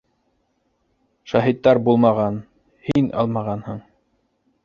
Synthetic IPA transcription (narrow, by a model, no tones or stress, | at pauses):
ʃɑɦit̪ːɑɾbulˠmɑʁɑn | hinʔɑ̰lˠmɑʁɑnhɤɴ